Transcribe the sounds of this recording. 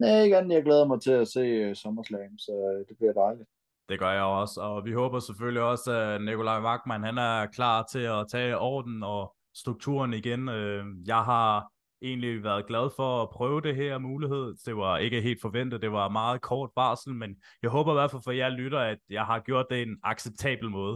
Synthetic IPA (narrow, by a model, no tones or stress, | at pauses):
næeɡ̥enjɑɡ̥leːðˠɐmɑ̈ɪt͡sʰe̝læse̝̰ːsɒmɐslɛɪnsɒd̥e̝b̥liɐd̥ɑ̈ɪlid̥ | d̥e̝ɡ̥ɶɐjɑ̈ɪɒ̽sɒ̽ʋiɦɔːb̥ɐsefølliɒ̽sænikʰo̝lɑ̈ɪmɑ̈ɡ̥̚mænhænæɐkʰlɑ̰̈ːt͡sʰe̝ɒt͡sʰɛ̰ːɒ̰ːd̥n̩ɒ̽ | sd̥ʁuɡ̥̚t͡sʰṵːɐniɡ̥enøjɑ̈ɪɦɑ̈ | ʔe̝̰ːnliʋæɐðˠɡ̥læð̞ˠfɒ̽ːpʰʁœːʊəd̥e̝ɦæɐ̰muːliɦe̝ð̞̰ˠd̥e̝ʋɑ̈e̝ɡ̥əɦe̝̰ːld̥fɒ̽ʋen̰d̥ð̩ˠd̥e̝ʋɑ̈mɑ̈ːð̞̩ˠkʰɒːd̥̚b̥ɑ̈ːsl̩menjɑ̈ɪɦɔ̽ːb̥ɐʋæɐfælfɒijɑ̈ɪlyɾ̥ɐæd̥jɑ̈ɪɦɑ̈ɡ̥jo̝ɐ̰d̥ːe̝enɑ̈ɡ̥seb̥̚t͡sʰɛ̰ːb̥l̩mɔ̽ːð̞̩ˠ